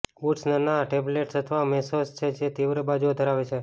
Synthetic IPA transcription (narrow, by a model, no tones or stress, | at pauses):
uʈsnəɾnaʈebleʈsət̪ʰəʋamɛsost͡ʃʰed͡ʒet̪iʋɾebad͡ʒuod̪ʱəɾaʋet͡ʃʰe